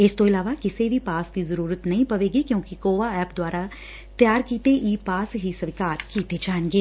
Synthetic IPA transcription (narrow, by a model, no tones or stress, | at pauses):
ɪst̪oɪlaːʋakɪsebʱipaːsd̪izɐɾuːɾət̪nɐɦĩpɐʋeːɡikjõːkikoːʋaɛːpd̪waːɾa | t̪jaːɾkiːt̪eʔiːpaːsɦisɐʋɪkaːɾkiːt̪ed͡ʒaːnɡeː